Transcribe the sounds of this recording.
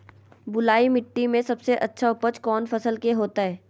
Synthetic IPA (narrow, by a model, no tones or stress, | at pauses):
bʊlaːimɪʈːimẽsɐbseʔɐtːʃʰaʊpət͡ʃkɔːnfɐsəlkeɦoːt̪aɦɛː